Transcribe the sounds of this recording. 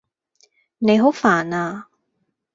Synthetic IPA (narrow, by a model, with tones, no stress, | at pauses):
ne˨˧jɦo˨˥wfaː˨˩naː˧